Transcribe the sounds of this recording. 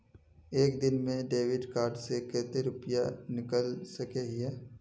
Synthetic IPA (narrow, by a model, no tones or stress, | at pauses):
eːkd̪ɪnmẽɖeːʋɪɖkaːɾɖsekɛːt̪eɾʊpjanɪkəlsɐkeɦɪɛː